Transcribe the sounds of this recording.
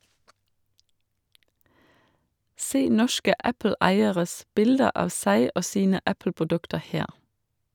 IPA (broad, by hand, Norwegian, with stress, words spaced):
ˈseː ˈnɔʃkə ˈʔæpl̩ˌæɪəʁəs ˈbɪldə ˈʔɑːʋ ˈsæɪ ˈoː ˈsiːnə ˈʔæpl̩pʊˌdʉktə ˈheːʁ